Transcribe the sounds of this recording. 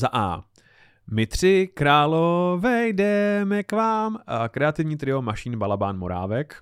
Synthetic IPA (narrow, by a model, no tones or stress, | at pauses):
zaʔa̰ː | mɪt̪r̝̥ɪkɾaːlovɛjdɛmɛkvaːmkɾɛat̪ɪvɲiːt̪ɾɪo̞maʃinbalabaːnmo̞ɾa̰ːvɛk